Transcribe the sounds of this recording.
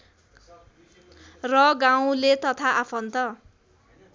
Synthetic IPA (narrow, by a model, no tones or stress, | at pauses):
rʌɡãw̃let̪ʌt̪ʰaʔapʰʌnt̪ʌ